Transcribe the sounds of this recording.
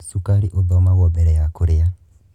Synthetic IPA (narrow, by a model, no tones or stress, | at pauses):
sukaɾiʔoðɔmaɣɔbɛɾɛjakoɾea